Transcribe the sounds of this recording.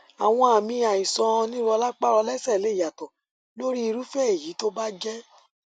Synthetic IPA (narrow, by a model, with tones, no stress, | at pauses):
a˨w̃ɔ̃˧a˨mĩ˧a˨ĩ˨sɔ̃˧nĩ˦ɾu˦˧ɔ˧la˦k͡pa˦ɾɔ˧lɛ˦sɛ˦˨le˨˦˨ja˨tɔ˨ | lo˦ɾi˦i˧ɾu˦fɛ˦e˨ji˨˦to˦ba˦d͡ʒɛ˦